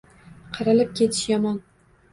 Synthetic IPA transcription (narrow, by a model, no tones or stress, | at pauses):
qʰɑɾɪlɪp̚kʲʰet̪ʰɪ̥ʃjɒmɒn